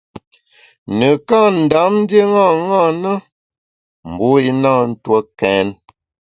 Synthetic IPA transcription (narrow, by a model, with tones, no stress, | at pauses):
nə˨ka˦˨n̩˨da˨˦mn˦dje˦ŋa˦˨ŋa˦˨nə˦ | m̩˨bu˦i˦naː˦˨n̩˦twə˦kɛ˨˦n